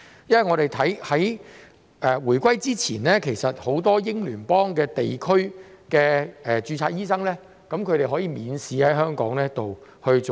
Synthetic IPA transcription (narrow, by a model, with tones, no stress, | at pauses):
jɐ˥nwɐ˨jŋɔ˨˧ɾe˨˩jt̪ʰɐ˨˥jhɐ˨˥j | ɛː˨wuː˨˩jkʷɐ˥jt͡siː˥t͡sʰiː˨˩nlɛː˥kʰe˨˩jsɐ˨t̚ho˨˧˥wt̪ɔː˥jɪ˥ŋlyː˨˩npɔː˥ŋkɛː˧t̪e˨jkʰɵ˥ɥkɛː˧ɛ˨t͡ʃyː˨˧t͡sʰaː˧k̚jiː˥sɐ˥ŋlɛː˥ | kɐ˨˥mkʰɵ˨˧ɥɾe˨jɦɔː˨˥jiː˨˧miː˨˧nsiː˨˧hɐ˨˥jɦœː˥ŋkɔ̰ː˨˥ŋlɛː˥t̪o˨whɵ˧ɥt͡so˨